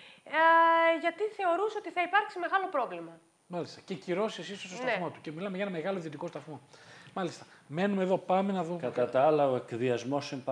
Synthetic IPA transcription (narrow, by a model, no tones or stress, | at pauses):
ʝɐt̪iθe̞o̞ɾuso̞t̪iθɐipɐɾksime̞ɣɐlo̞pɾo̞vlimɐ | mɐlist̪ɐ̥ce̞ciɾo̞siesist̪ost̪ost̪mo̞t̪u̥cemilɐmeʝɐenɐme̞ɣɐloiðio̞t̪iko̞st̪ɐθmo̞mɐlist̪ɐ̥me̞numeðo̞pɐmenɐðuɐt̪ɐt̪ɐalɐoekðiɐzmo̞semp